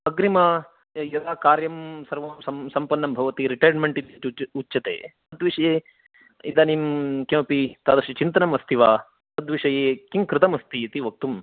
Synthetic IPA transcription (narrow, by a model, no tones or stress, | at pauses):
ɐɡɾimɐ | jɐd̪aːkaːɾjɐmsɐɾʋɐmsɐsɐmpɐnːɐmbʱɐʋɐt̪iɾiʈɐjnmeɳʈid̪ɐuutːʃɐt̪ḛːt̪ɐd̪ʋiʂɐjeː | id̪animkjɐ̃ːpit̪aːd̪ɐɾʃit͡ʃint̪ɐnɐmɐst̪ʰiʋaː | t̪ɐd̪ʋiʂɐjeːkiŋkɾɪt̪ɐmɐst̪iɐt̪iʋɐk̚t̪um